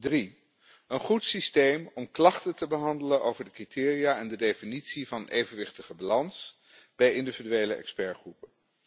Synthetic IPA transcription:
dri | ənχutsistejmɔmklɑχtətəbəɦɑndələnʔowvəɹdəkritɪːrijaɛndədefinitsivɑnʔejvənʋɪχtəχəbalɑns | b̥ɛjɪndividyejləʔɛ̰kspɛɹχrupən

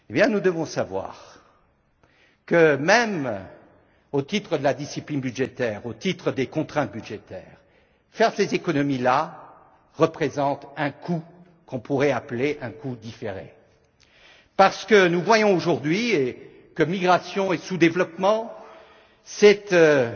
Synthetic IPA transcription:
ebjɛ̃nud̪əvɔ̃savwa̰ʁ | kəmɛm | ot̪it̪χəd̪əlad̪isiplinbyd̪ʒet̪ɛːʁot̪it̪χəd̪ekɔ̃t̪χɛ̃t̪̚byd̪ʒet̪ɛ̰ːʁ | fɛʁsezekɔnɔmila | ʁəpχezɑ̃t̪ɛ̃kʰu | kɔ̃puʁɛapleʔɛ̃kud̪ifeʁḛ̃ | paʁsə̥kənuvwajɔ̃oʒuʁd̪ɥie | kəmiɡʁasjɔ̃esud̪evlɔpmɑ̃ | sɛt̪ø

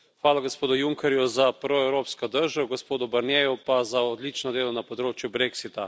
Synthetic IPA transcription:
xʋaːlaɡospoːd̪ʊjuŋkɛɾjuzapɾoɛwɾoːpskɔd̪əɾʒaɡospoːd̪ʊbɐɾnjeːjupazaɔd̪lit͡ʃnɔd̪eːlɔnapɔd̪ɾoːt͡ʃjubɾeksit̪a

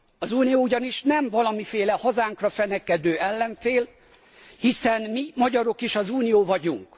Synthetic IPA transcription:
ɒzuːnijoːuɟɒniʃnɛɱvɒlɒmifeːlɛhɒzaːŋkrɒfɛnɛkɛd̪øːʔɛlːɛɱfeːl | hisɛnmimɒɟɒɾo̞kiʃɒzuːnijoːvɒɟuŋk

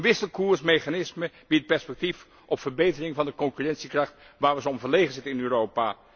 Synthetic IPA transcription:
nʋɪsəlˠkuːɹsmejχanɪsmə | b̥it̚pɛɹspɛk̚tif | ʔɔpfəɹbejtərɪŋvɑndəkɔŋkyrɛntsikrɑχt | ʋaːɹʋəzəɔmvəɹlejχənzɪtənɪnøːrowpa

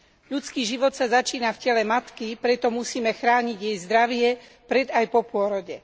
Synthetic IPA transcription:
ʎut͡skiːʒiʋɔt̪sazat͡ʃiːnafcɛlɛmat̪kipɾɛt̪ɔmusiːmɛxɾaːɲiɟjɛjzd̪ɾaʋɪɛ | pɾɛd̪ajpɔpʊɔɾɔɟɛ

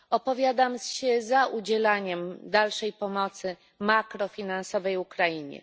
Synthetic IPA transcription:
ɔpɔvʲjad̪amɕɛzaʔud͡ʑɛlaɲɛmd̪alʂɛjpɔmɔt̪sɘ | makɾɔfʲinansɔvɛjukɾajiɲɛ̰

